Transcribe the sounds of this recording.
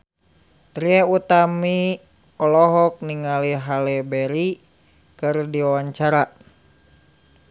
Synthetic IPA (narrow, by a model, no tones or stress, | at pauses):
t̪ɾiɛut̪ami | ɔlɔɦɔk̚niŋaliɦalɛbɛɾi | kɨrdiwawaɲt͡ʃaɾa